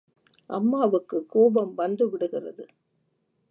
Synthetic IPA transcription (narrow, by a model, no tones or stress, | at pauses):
ʔɐmːaːʋɯkːɯkːoːbɐmʋɐnd̪ɯʋɪɽɯɣɪrɐðɯ